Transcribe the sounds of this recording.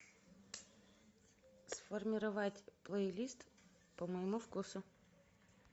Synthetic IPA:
sfɔrmʲɪɾɐʋatʲplˠəilʲist̪ | pəmɔjmufkusʊ

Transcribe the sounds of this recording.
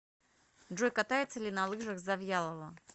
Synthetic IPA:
ʐojʲkat̪ajɪt̪səlʲinɐlˠɨʐɐxzɐvjalˠəvˠə

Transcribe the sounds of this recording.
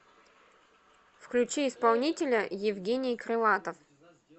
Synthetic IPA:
fklʲʉt͡ɕiɪspalˠnʲitʲɪlʲəjɪvɡʲenʲɪjkɾɨlˠat̪əf

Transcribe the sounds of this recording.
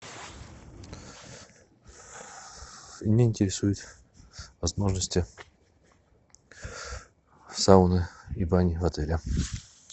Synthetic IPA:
mnʲaɪnʲtʲɪɾʲɪsujʊt̪ | vɐzmo̞ʐnəsʲtʲɪ | saʊnəibanʲɪvɐt̪ɛlʲɪ

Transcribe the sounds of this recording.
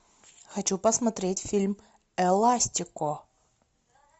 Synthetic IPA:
xɐt͡ɕupɐsmɐt̪ɾʲetʲfʲilʲm | ɛlˠasʲt̪ʲɪkʊ

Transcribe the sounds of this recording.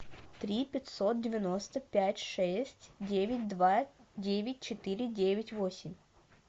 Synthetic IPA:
t̪ɾʲipʲɪt̪ʲso̞t̪̚dʲɪvʲɪno̞st̪əpʲætʲʂɛsʲtʲdʲevʲɪt̚ʲd̪vadʲevʲɪt̚ʲt͡ɕɪt̪ɨɾʲɪdʲevʲɪtʲvosʲɪmʲ

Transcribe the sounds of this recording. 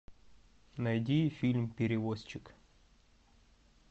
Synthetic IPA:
nɐjdʲifʲilʲmpʲɪɾʲɪvosʲt͡ɕɪk

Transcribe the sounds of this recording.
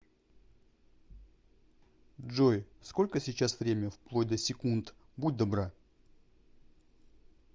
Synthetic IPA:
ʐojsko̞lʲkəsʲɪt͡ɕasvɾʲemʲəfplˠo̞tʲd̪əsʲɪkunt̪ | bud̚ʲd̪ɐbɾa

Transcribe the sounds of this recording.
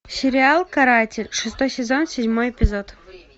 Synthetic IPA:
sʲɪɾʲɪalˠkɐɾatʲɪlʲʂɨst̪ojsʲɪzo̞nsʲɪdʲmojɪpʲɪzot̪

